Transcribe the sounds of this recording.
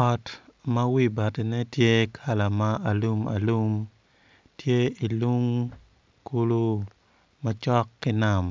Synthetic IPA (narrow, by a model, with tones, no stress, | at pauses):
ɔ˨tmɐ˦wi˦ba˨ti˨nɛ˦tje˦kʰa˨la˨ma˦a˨lu˦ma̰˨lu˦m | tje˦i˨lu˦ŋ | ku˦lu˦ | mɐ˦t͡ʃɔ˦kːɪ˦na˨m